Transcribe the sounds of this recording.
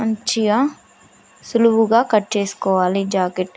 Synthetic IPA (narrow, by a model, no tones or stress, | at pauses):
ɐɲt͡ʃijɐ | suluʋuɡaːkɐʈːt͡ʃeːsu̥kɔːʋaːlid͡ʒaːkeʈ